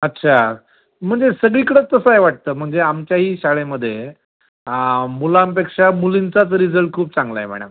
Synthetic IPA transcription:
ətːɕʰa | m̤əɳd͡zesəɡɭikəɽət͡st̪ːəsəeʋaʈ̚t̪əːm̤əɳd͡zeamt͡ɕjaɦiːɕaɭeməd̪ʱːje | əmulãmpekʂamulint͡sat͡sɾid͡zəlʈ̚kʰuːp̚t͡sãŋɡlaem̤ɛ̰ɽ̃ə̰m

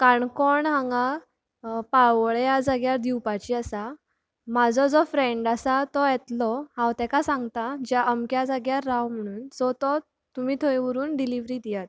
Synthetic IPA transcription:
kaɳkɔɳɦãŋɡa | paɭʋɭjad͡zaɡjaɾd̪iwpat͡ɕiasa | mad͡zɔd͡zɔfɾẽɳɖasat̪ɔjɛt̪lɔhãwt̪ɛ̃kasãŋɡt̪ad͡ʑjaʔəmkjad͡zaɡjaɾawm̤əɽ̃uːnt͡sɔt̪ɔ | t̪umiːt̪ʰojʋəɾuːnɖiliʋɾiːd̪ijat̪

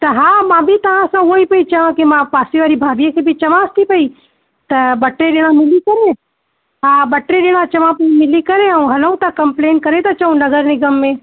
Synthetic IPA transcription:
t̪ɐɦãːmãbʱit̪ɐʋãsãʋoːipɐit͡ʃɐʋãkemãpaːsiʋaːɾibʱaːbijãkebʱit͡ʃɐʋãst̪ipɐi | t̪ɐbɐʈɾeɖeɽ̃ãmɪlikɐɾẽ | ɦãːbɐʈɾeɖeɽ̃ãt͡ʃɐʋãpɐimɪlikɐɾẽɦɐũɦɐlɐ̃ũt̪ɐkɐ̃mpleːn̚kɐɾẽt̪ɐt͡ʃɐũnɐɡəɾnɪɡəmːẽ

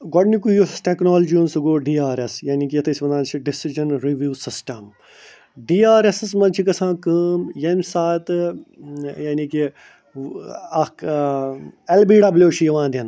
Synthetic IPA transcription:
ɡɔɖnikujusʈeknoːld͡ʒiunsuɡoːɖiːaːɾesjaːnik̬ijɐt̪ʰɐsʲɐnd̪aːnt͡ʃʰiɖɪsid͡ʒɐnɾiʋjuːsɪsʈɐm | ɖiːaːɾesɨsmɐnt͡ʃʰikɐsʰãːkəːmjɐmsaːt̪ | jaːniki | ɐk | elbiːɖɐbljoːʃijɐʋãːnd̪ʲɐn

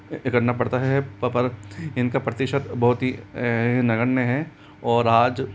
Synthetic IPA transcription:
ɪkɐʈnapɐɽt̪aɦɛɦɛppɐɾɪnkapɾɐt̪ɪʃət̪bɐɦʊt̪ɦĩ | nɐɡənːeɦɛ | ɔːɾaːd͡ʒ

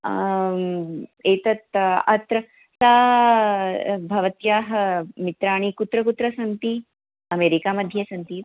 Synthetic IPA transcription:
eːt̪ɐt̪ɐt̪ɾɐ | saː | bʱɐʋɐt̪jaːɦɐmit̪ɾaːɽ̃ikut̪ɾɐkut̪ɾɐsɐnt̪i | ɐmeːɾikamɐd̪ʱjɐsɐnt̪i

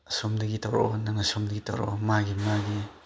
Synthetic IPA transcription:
somdɐɡitaɾo̰nɐŋɐsomdɐɡitʰa̰ɾo̰maɡimaɡi

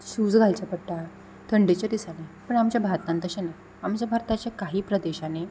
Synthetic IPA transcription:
sud͡zɡʱalt͡ɕapəɽʈa | t̪ʰəɳɖet͡ɕad̪isanepəɳamt͡ɕjabʱaɾt̪nãnt̪əɕena | amt͡ɕjabʱaɾt̪at͡ɕjakaɦiːpɾəd̪eɕane

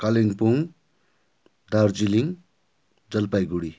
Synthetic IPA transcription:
kaliŋpuŋ | d̪aɾd͡ziliŋ | d͡zʌlpajɡuɽi

